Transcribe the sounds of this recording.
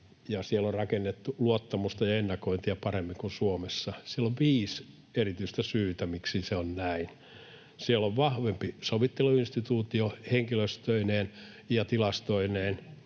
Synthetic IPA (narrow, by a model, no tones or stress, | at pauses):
jɑsielːorrɑkenːet̪ːuluot̪ːɑmust̪ɑjɑenːɑkoint̪iɑpɑremːiŋkunsuomesːɑsieloʋʋiːs | erit̪yist̪æsyːt̪æmiksiseonnæin | sielːoʋʋɑhʋempisoʋit̪ːeluinst̪it̪uːt̪ioheŋkiløst̪øineːn | jɑt̪ilɑst̪oineːn